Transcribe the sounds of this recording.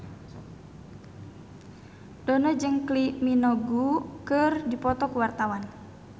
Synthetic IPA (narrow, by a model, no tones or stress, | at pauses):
dɔnɔd͡ʒɨŋkliminɔɡukɨrdipɔt̪ɔkəwart̪awan